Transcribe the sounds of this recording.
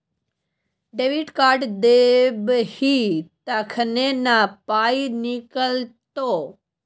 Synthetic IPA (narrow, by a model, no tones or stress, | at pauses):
ɖeːʋiʈkaːɾʈd̪ebhit̪əkʰnenapaːinɪkəlt̪o